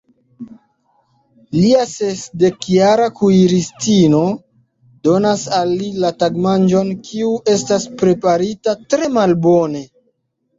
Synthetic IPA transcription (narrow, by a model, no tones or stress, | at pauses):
liasesde̞kjaɾakuiɾistino̞ | do̞nasalːilataɡmand͡ʒo̞nkʰiuʔe̞staspɾe̞paɾitatɾe̞malbo̞ne̞